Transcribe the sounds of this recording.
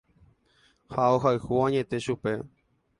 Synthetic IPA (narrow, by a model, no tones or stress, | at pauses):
haoɦaɨhuãɲẽ̞t̪e̞ʃupe̞